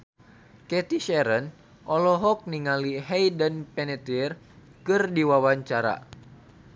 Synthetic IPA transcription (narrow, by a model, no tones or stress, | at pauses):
kɛt̪iʃɛɾən | ʔɔlɔɦɔk̚niŋaliɦɛjdənpɛnɛt̪ir | kɨrdiwawaɲt͡ʃaɾa̰